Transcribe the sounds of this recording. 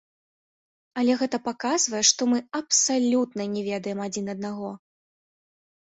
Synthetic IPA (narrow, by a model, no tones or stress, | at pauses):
ɐlʲɛɣɛt̪ɐpakazvɐjɛʂt̪ɔmɨɐpsalʲut̪nɐnʲɛvʲɛd̪ɐjɛmad͡zʲinɐd̪̚naɣɔ